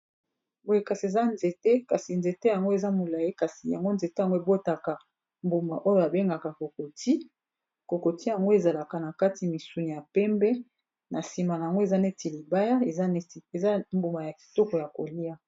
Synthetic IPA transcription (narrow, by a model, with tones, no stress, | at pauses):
bo˨e˨ka˨si˨e˨za˦nze˨te˦ka˨si˨nze˨te˦ja˨ŋɡo˦e˨za˦mo˨la˨je˦ka˨si˨ja˨ŋɡo˦nze˨te˦a˨ŋɡo˦e˨bo˦ta˨ka˨ | mbu˨ma˨ʔo˦jo˨ja˨be˦ŋɡa˨ka˨ko˨ko˨ti˦ | ko˨ko˨ti˦ja˨ŋɡo˦e˨za˨la˨ka˨na˨ka˦ti˨mi˨su˨ni˨ja˨pɛ˦mbɛ˦ | na˨si˨ma˨na˨a˨ŋɡo˦e˨za˦ne˦ti˨li˨ba˦ja˦e˨za˦n˦˨e˨za˦mbu˨ma˨ja˨ki̥˨to˦kɔ˨ja˨ko˨li˦a˦